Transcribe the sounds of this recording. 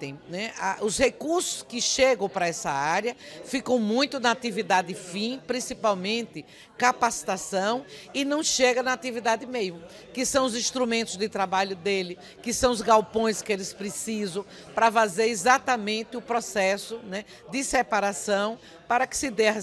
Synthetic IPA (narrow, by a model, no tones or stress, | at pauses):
t̪ẽj̃nɛaʔʊshekuɾsʊ̥skɪʃeɡɐ̃w̃pɾɐɛsɐ̰aɾjɐfikɐ̃w̃mũj̃t̪ʊnɐat̪ivid̪ad̪ɪfĩpɾĩsipawmẽnt̪ɪ | kapasi̥t̪asɐ̃w̃ɪnɐ̃w̃ʃeɡɐnɐat̪ivid̪ad̪ɪmejʊ | kɪsɐ̃w̃ʊzĩst̪ɾumẽnt̪ʊzd̪ɪt̪ɾabaʎʊd̪elɪ | kɪsɐ̃w̃ʊzɡawpõj̃skɪelɪspɾɪsizɐ̃w̃ | pɾɐfazeɾizat̪ɐmẽnt̪ɪʊpɾɔsɛsʊnɛ | d̪ɪsɛpaɾasɐ̃w̃ | paɾɐkɪ̥sɪd̪eɐ